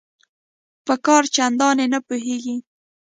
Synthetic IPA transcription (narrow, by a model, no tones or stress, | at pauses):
pəkɑɾt͡ʃand̪ɑnenapuɦeɡi